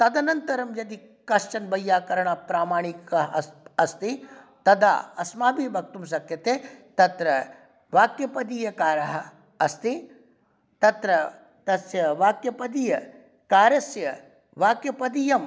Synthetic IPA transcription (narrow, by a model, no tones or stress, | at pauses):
t̪ɐd̪ɐnɐnt̪ɐɾɐmjɐd̪i | kɐʃt͡ʃɐnbɐjːaːkɐɾɐɳapɾaːmaːɳ̃ikɐɦɐst̪i | t̪ɐd̪a̰ːɐsmaːbibʱɐk̚t̪ums̬ɐkjɐt̪eːt̪ɐt̪ɾɐ | ʋaːkjɐpɐd̪iːjɐkaːɾɐɦɐː | st̪i | t̪ɐt̪ɾɐ | t̪ɐsjɐʋaːkjɐpɐd̪iːjɐ | kaːɾɐsjɐ | ʋaːkjɐpɐd̪ijɐm